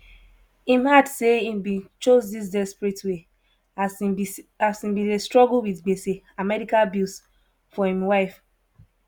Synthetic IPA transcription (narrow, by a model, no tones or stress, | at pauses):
ĩmhadseĩmbĩnt͡ʃozdis̬dɛspɹitwe | a | asĩmbĩestɹɔɡlwiθɡ͡bese | amɛɾikalbis | fɔhĩmwaɪf